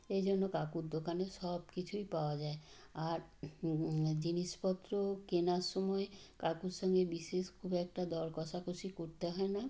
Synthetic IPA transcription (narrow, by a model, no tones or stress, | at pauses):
ejd͡ʑonːokakuɾd̪okaneʃɔbkit͡ɕʰujpaoad͡ʑae | aɾ | d͡ʑiniʃpɔt̪ːɾokenaɾʃɔmɔe | kakuɾʃɔŋɡebiʃeʃkʰubɛkʈad̪ɔɾkɔʃakoʃikoɾt̪eɦɔena